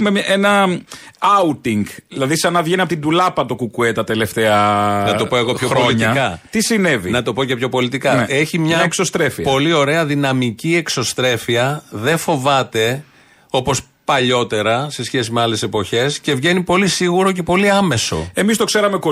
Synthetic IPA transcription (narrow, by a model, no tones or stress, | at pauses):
meʔenɐ | ɐut̪iŋɡilɐðisɐnɐvʝeniɐp̬ot̪ind̪ulɐpɐt̪okukuet̪ɐt̪e̞le̞ft̪eɐnɐo̞po̞e̞ɣo̞pçoxɾpooliɲiɐkɐt̪isinevinɐt̪o̞po̞ce̞pço̞po̞lit̪ikɐeçimɲɐeksost̪ɾefiɐpo̞lio̞ɾe̞ɐðinɐmicie̞kso̞st̪ɾe̞fiɐðe̞fo̞vɐt̪e̞ | o̞po̞s | pɐʎo̞t̪e̞ɾɐse̞sçe̞sime̞ɐle̞sepo̞çe̞sce̞vʝe̞nipo̞lisiɣuɾo̞ce̞po̞liɐme̞so̞̰e̞mist̪o̞kse̞ɾɐmeko